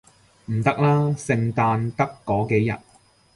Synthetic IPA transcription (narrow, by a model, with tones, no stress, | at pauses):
m̩˨˩t̪ɐ˥k̚laː˥sɪ˨˧ŋt̪aː˧nt̪ɐ˥kːɔː˨˥ke˨˥jɐ̰˨t̚